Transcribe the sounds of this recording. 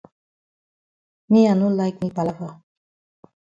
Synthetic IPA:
mianulajk̚mipalavə

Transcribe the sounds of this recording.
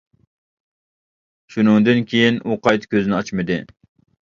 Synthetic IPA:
ʃunɨŋd̪ɨnkʲʰejinʔuqʰɑjt̪kʲʰøzɪnɪɑt͡ʃmɨd̪ɨ

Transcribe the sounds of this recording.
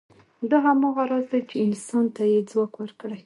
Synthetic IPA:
d̪ɑɦamɑɣaɾɑzd̪ajt͡ʃeɪnsɑnt̪ajed͡zwɑkwəɾkɽaj

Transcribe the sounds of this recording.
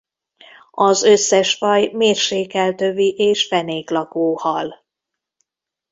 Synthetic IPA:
ɒzø̞sːɛʃfɒjmeːrʃeːkɛlt̪øviʔeːʃfɛneːklɒkoːhɒl

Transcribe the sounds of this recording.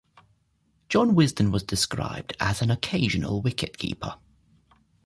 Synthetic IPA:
d̥ʒ̥ɒ̃nwɪzdə̃nwɒzdɪskɹa̰ɪb̚dəzə̃nəkʰeɪʒənə̰lˠwɪkʰɪʔkʰḭˑpʰə̰

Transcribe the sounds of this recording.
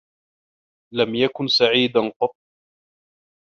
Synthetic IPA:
lamjakʊnsaʕiːd̪anqɑt̪̚ˤː

